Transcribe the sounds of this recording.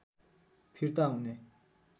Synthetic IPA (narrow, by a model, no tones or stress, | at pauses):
pʰiɹt̪aune